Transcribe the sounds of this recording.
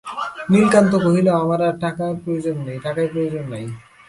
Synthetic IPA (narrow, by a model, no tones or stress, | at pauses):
nilkant̪okoɦileamaɾaʈakapɾojod͡ʑonːejʈakajpɾojod͡ʑonːaj